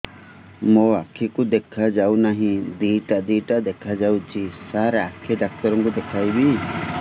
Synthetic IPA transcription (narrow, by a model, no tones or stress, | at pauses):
mõakʰikud̪ɛkʰad͡ʒawnaɦĩd̪iʈad̪iʈad̪ɛkʰad͡ʒawt͡ʃisaɾakʰiɖak̚t̪ɔɾɔŋkud̪ɛkʰajbi